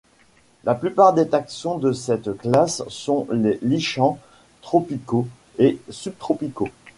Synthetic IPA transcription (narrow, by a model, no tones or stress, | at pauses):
lʔaplypaʁd̪et̪aksɔ̃d̪əsɛt̪klasːɔ̃leliʃɑ̃ | t̪χɔpiko | esyb̚t̪χɔpiko